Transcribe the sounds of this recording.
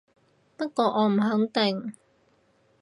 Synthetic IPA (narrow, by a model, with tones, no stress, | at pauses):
pɐ˥t̚kɔː˧ʔɔː˨˧m̩˨˩hɵ˨˥ŋt̪ɪ˨ŋ